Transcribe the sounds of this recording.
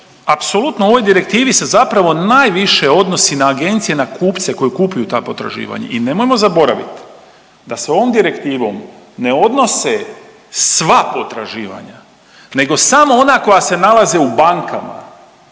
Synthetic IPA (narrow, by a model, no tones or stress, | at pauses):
apso̞lut̪noo̞ʋo̞jd̪iɾe̞k̚t̪iːʋise̞zapɾaʋo̞naːjʋiʃe̞o̞d̪no̞sinaːɡe̞nt̪sije̞nakʰuːpt̪se̞ko̞jekupujut̪aːpo̞t̪ɾa̰ʒḭːʋa̰ɲa̰ʔine̞mojmo̞zabo̞ɾaʋḭt̪ | d̪ase̞o̞ʋomd̪iɾe̞kt̪iːʋo̞̰m | ne̞o̞d̪no̞se | sʋapo̞t̪ɾa̰ʒiːʋa̰ɲa | ne̞ɡo̞samoonako̞jase̞nalˠazeubaŋkama̰